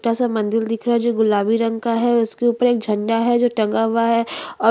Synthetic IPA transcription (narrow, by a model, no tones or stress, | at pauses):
ʈasamɐ̃nd̪ɪld̪ɪkʰɾaɦɛd͡ʒoːɡʊlaːbiɾə̃ŋɡkaɦɛʊskeuːpəɾeːk̚d͡ʒʱɐ̃ɳɖaɦɛd͡ʒoːʈɐ̃ŋɡaɦʊwaɦɛɔː